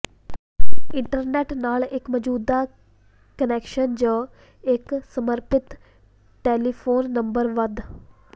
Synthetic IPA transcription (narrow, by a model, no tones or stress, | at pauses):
ɪɳʈəɾneːʈnaːɭɪkmɐd͡ʑuːd̪a | kəneːkʃənd͡ʑoː | eksɐməɾpɪt̪ | ʈeːlifoːnːɐ̃mbəɾʋɐd̪ʱ